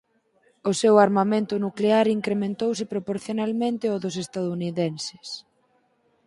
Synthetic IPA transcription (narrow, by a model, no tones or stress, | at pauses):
ʊsewaɾmamẽnt̪ʊnukleaɾiŋkɾemẽnt̪ows̬ɪpɾopoɾθjonalmẽnt̪ɪɔðʊsest̪aðouniðɛnsɪ̥s